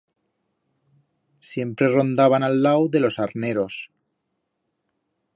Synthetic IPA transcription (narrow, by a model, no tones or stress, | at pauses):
sje̞mpɾe̞ro̞nd̪aβanalːawðe̞lo̞saɾne̞ɾo̞s